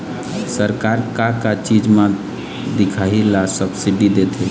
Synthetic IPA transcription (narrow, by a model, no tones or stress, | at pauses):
səɾkaɾkakat͡ʃid͡ʒmã | d̪ikʰaɦilasəbsiɖid̪et̪ʰɛ